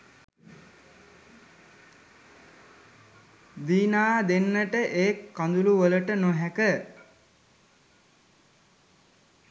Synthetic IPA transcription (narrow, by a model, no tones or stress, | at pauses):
d̪iːnaːd̪enːəʈəʔeːkːand̪uluʋələʈənoɦækə